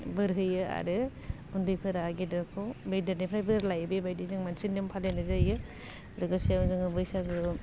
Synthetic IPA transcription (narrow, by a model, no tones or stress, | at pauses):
bɯɾɦɯjɯa̰ɾɯ | undɯjpʰɯɾaɡedɾakʰɔbejdanipʰɾajbɯɾlajbebajdizaŋmansinimpʰalenɯzajɯ | lɯɡɯsezɯŋɯbɯjsaɡɯ